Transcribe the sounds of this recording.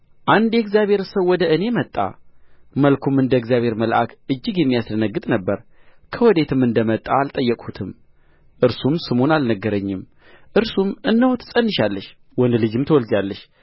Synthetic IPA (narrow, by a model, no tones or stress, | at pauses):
ʔand̪jɛɡzjaβe̞ɾsəwwɔd̪əɨne̞mət̪ʼːa̰məlkʰumɨnd̪əɡzjaβhe̞ɾməlʔa̰kʔɨd͡ʒːɪɡjɛmːijasd̪ənəɡːɨt̪ʼnəbːəɾ | kʰəwɔd̪e̞t̪ʰɨmɨnd̪əmət̪ʼːaːlt̪ʼəjːɛkʼhut̪ʰɨm | ʔɨɾsumsɨmonalnəɡːəɾəɲːɪm | ʔɨɾsumɨnːəwot̪ʰɨ̥sʼənːɨʃalːəʃ | wɔnd̪lɨd͡ʒɨmt̪ʰəwɔld͡ʒalːəʃ